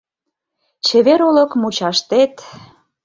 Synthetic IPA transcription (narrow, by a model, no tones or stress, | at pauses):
t͡ɕeβeɾolɤkmut͡ɕɑʃt̪et̪